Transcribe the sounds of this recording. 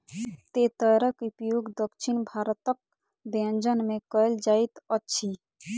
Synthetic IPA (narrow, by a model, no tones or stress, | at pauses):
t̪et̪əɾəkupjuɡd̪əkʃʰinbʱaːɾt̪ək̚ | d̪eənd͡ʒənmẽkəjld͡ʒaːit̪ətːʃʰi